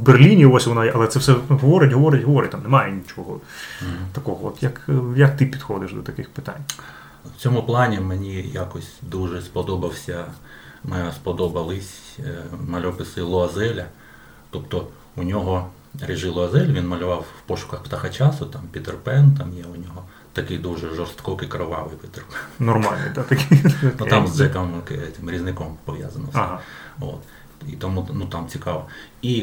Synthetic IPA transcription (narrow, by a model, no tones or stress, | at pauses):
wberlʲinʲiʋɔsʲʋɔnɑjʔɐlˠɛt̪sɛwsɛɦɔʋɔɾɪtʲɦɔʋɔɾɪtʲɦɔʋɔɾɪt̚ʲt̪amnɛmɑjɛnʲit͡ʃɔɦɔ | t̪ɐkɔɦɔɔt̪jɐkjɐk̚t̪ɪpʲid̪xɔd̪ɪʃd̪ɔt̪ɐkɪxpɪ̥t̪a̰nʲ | wt͡sʲɔmʊplˠɑnʲimenʲijakɔsʲd̪uʒɛspɔd̪ɔbɐwsʲɐ | mɛspɔd̪ɔbɐlˠɪsʲ | mɐlʲɔpɪsɪlˠɔɐzɛlʲɐ | t̪ɔpt̪ɔ | unʲɔɦɔ | ɾʲɪʒɪlˠɔɐzɛlʲʋʲinmɐlʲʊʋɑwːpɔʃʊ̥kɐxpt̪ɐxɐt͡ʃɑsʊt̪ɑmpʲit̪erpɛnt̪ɑmjɛʊnʲɔɦɔ | t̪ɐkɪjd̪uʒɛʒɔrst̪kɔkɪkɾɪʋɑʋɪjpʲɪt̪erpɛnnɔrmɑlʲnɪ̰d̪at̪ɐkʲnut̪amzd͡ʒɛkɐmkt̪ʲɪmɾʲiznɪkɔmpɔʋʲja̰zɐnɔsʲt̪ɪo̰t̪ | it̪ɔmunut̪ɑmt͡sʲikɑʋɔi